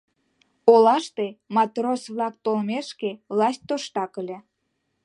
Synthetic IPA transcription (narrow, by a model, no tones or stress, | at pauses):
olɑʃt̪emɑt̪rosβlɑk̚t̪olmeʃkevlɑsʲt̚ʲt̪oʃt̪ɑkəlʲe